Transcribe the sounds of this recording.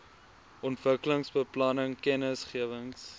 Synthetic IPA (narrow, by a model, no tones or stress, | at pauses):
ʔɔntvəkələŋsbəplɐnəŋkɛnəsχiəvəŋs